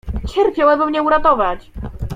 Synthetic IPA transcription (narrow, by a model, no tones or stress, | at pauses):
t͡ɕɛɾpʲjawabɘmɲɛuɾat̪ɔvat͡ɕ